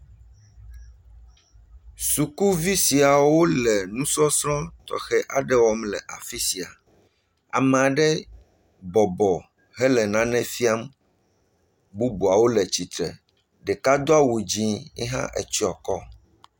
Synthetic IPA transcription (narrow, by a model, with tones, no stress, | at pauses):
su˨ku˦vi˦si˨a˨wo˦lɛ˨nũ˦sɔ˦sɾɔ̃˦t̪ɔ̰˨xɛ˦ʔa˨ɖɛ˦wɔ˦mlɛ˨ʔa˨fi˦si˨a˨ | a̰˨mɛ˨a˨ɖɛ˦ | bɔ˨bɔ˨ | ɦɛ˦lɛ˨nã˦nɛ̃˦fi˦a˦m | bu˦bu˨a˨wo˦lɛ˨t͡ɕi˨t̪ɾɛ̰˨ | ɖɛ˨ka˦d̪o˦a˦wu˨d͡ʑĩ˦ḭ˦ɦã̰˦ʔḛ˨t͡ɕi˦ɔ˨kɔ̰˦